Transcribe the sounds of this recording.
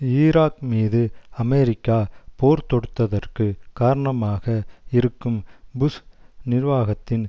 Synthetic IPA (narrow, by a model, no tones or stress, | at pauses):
iːɾaːkmiːðɯɐmɛɾɪkːaːpoːɾt̪ɔɽɯt̪ːɐðɐrkɯkaːɾɐɳɐmaːɣɐɪɾɯkːɯmbʊsnɪɾʋaːɣɐt̪ːɪn